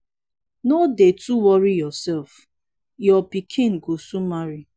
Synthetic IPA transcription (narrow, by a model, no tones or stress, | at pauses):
nodetuwɔɾijɔsɛlf | jɔpikʰɪ̃nɡosumaɾi